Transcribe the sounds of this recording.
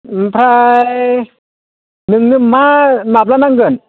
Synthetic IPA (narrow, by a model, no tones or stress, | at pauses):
mpʰɾa | nɯŋnɯŋmaːnap̚lanaŋɡɯn